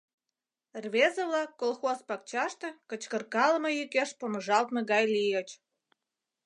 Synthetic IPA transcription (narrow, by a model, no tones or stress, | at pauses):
rβezəβlɑkːolxospɑk̚t͡ɕɑʃt̪ĕkət͡ɕkə̆rkɑləmojykeʃpoməʒɑlt̪meɣɑjlijət͡ɕ